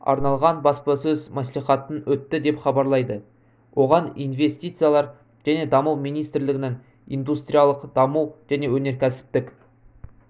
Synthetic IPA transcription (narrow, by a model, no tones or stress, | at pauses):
ɑ̰ɾnɑlˠʁɑnbɑspɑsɵzmæs̬lˠiχɑt̪ənwɵt̪ːɪd̪e̞pχɑbɑɾlˠɑjd̪ə | wʔo̞ʁɑnijnve̞st̪ijt̪sɨjalˠɑɾ | ʒ̥æne̞d̪ɑmuwmijnijst̪ɪɾlɪɡʲɪneŋ | ḭjnd̪ust̪ɾijalˠəqd̪̥ɑmuwʒ̥æne̞wɵne̞ɾkʲʰæsɪ̥p̚t̪ɪkʲ